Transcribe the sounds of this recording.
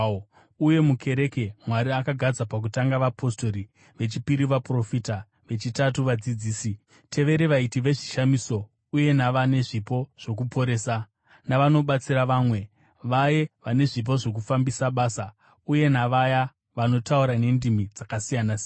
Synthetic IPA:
uje̞mukʰe̞ɾe̞ke̞mwaɾiakaɡʱad͡zapak̬utaŋɡaʋapʰo̞sto̞ɾi | ʋe̞t͡ʃipiɾiʋapro̞fita | ʋe̞t͡ʃitatuʋad͡zid͡ziːsi | tʰe̞ʋe̞ɾeʋaitiʋe̞ʐiʃamiso̞ | uje̞naʋane̞ʐipo̞ʐ̥o̞k̬upʰo̞ɾe̞ːsa | naʋano̞ɓat͡siɾaʋaːmwe̞ | ʋajeʋane̞ʐip̬o̞ʐo̞k̬ufambisaɓaːsa | uje̞naʋaja | ʋano̞tauɾane̞ndimid͡zakasijanas

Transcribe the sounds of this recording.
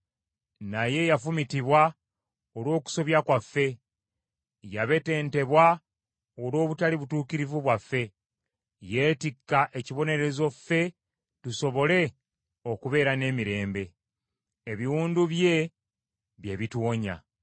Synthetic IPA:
naje̞jafumitiβwa | olwo̞ːku̥so̞βjakwafːe̞ | jaβe̞te̞ːnte̞βwa | o̞lo̞ːβutaliβutuːkiɾivuβwafːe̞ | je̞ːtikːaʔe̞ciβo̞ne̞ɾe̞zo̞fːe̞ | tuso̞βo̞le̞ | o̞kuβe̞ːɾane̞ːmiɾe̞ːmbe̞ː | βiwuːnduβje̞ | βje̞βitwoːɲa̰

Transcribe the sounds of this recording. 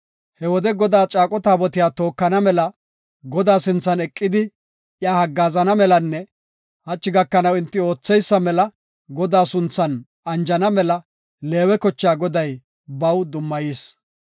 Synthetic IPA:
hɛwɔd̪ɛɡɔd̪aːt͡ʃʼaːkʼɔt̪aːbɔt̪ɪjaːt̪o̞ːkːɐnɐmɛlɐ | ɡɔd̪aːsɪnt͡sːɐnɛkʼːɪd̪ɪ | jaːhɐɡːaːzɐnɐmɛlɐnːɛ | hɐt͡ʃʼːɪɡɐkːɐnɐwɪnt̪ːɪo̞ːt͡sːɛjsːɐmɛlɐ | ɡɔd̪aːsʊnt͡sːɐn | ɐnd͡ʒɐnɐmɛlɐ | le̞ːwɛkɔt͡ʃːaːɡɔd̪ɐj | bɐwd̪ʊmːɐjiːs

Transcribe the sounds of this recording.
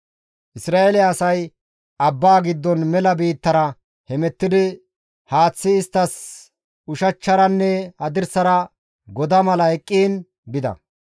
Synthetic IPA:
ʔɪsɾaːʔelɛɐsɐj | ɐbːaːɡɪd̪ːɔnmɛlɐbiːt̪ːɐɾɐ | hɛmɛt̪ːɪd̪ɪ | haːt͡sːɪːst̪ːɐs | ʊʃɐt͡ʃːɐɾɐnːɛhɐd̪ɪɾsɐɾɐ | ɡɔd̪ɐmɐlɐɛkʼːiːn | bɪd̪ɐ̰

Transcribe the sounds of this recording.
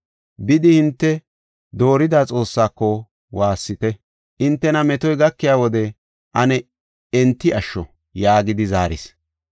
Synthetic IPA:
bɪd̪ɪhɪnt̪ːɛ | d̪o̞ːɾɪd̪aːt͡sʼo̞ːsːaːkːɔ | waːsːɪt̪ɛ | ʔɪnt̪ːɛnɐmɛt̪ɔjɡɐkːɪjaːwɔd̪ɛ | ʔɐnɛ | ɛnt̪ːɪʔɐʃːɔ | jaːɡɪd̪ɪzaːɾɪ̰s

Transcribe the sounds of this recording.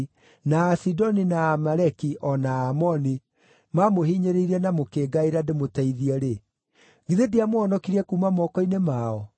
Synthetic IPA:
naːsidɔninaːmaɾɛkiʔɔnaːmɔni | mamohiɲeɾeiɾɛnamokeːɡaiɾademotaiðiɛɾe | ɡiðediamoɔnɔkiɾiɛkumamɔkɔinemaɔ

